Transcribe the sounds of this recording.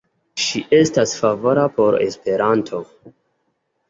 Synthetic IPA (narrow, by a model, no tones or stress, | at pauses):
ʃiʔe̞stasfavo̞ɾapo̞ɾḛspe̞ɾantʰo̞